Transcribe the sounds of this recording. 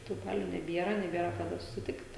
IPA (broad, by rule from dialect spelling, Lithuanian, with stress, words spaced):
tuː ˈbɑːlʲʊ nʲɛˈbʲiɛrɐ nʲɛˈbʲiɛrɐ kɐˈdɐ sʊsʲɪˈtʲɪkt